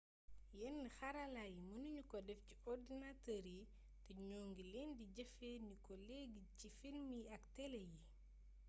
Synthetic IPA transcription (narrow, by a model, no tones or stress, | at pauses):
jɛnːixɐɾalajimunuɲukɔdɛfciɔrdinatəɾi | tɛɲɔːŋɡilɛːndiɟɐfɛnikɔlɛɡicifilmiɐktɛlɛji